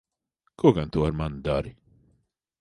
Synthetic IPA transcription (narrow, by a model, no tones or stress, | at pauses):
koɡant̪ʰuaɾmand̪aɾi